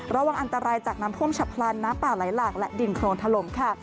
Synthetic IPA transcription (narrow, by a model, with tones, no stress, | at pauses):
ɾa˧wa˨˧ŋʔa˧nt̪a˧ɾaː˧jt͡ɕaː˨˩k̚naː˦˥t̪ʰu˥˩əmt͡ɕʰa˨˦˩pʰlaː˧nːaː˦˥mpaː˨˩la˩˦jlaː˨˩k̚lɛ˦˥ʔdi˨˧nkʰloː˧nt̪ʰa˧lo˩˦mkʰa˥˩